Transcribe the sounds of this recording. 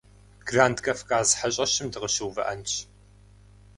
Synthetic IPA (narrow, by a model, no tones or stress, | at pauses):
ɡ̥raːndkʼɐfkʼaːzħaɕʼɐɕɪmdɨʁəɕɨwvɐʔɐnt͡ʃʰ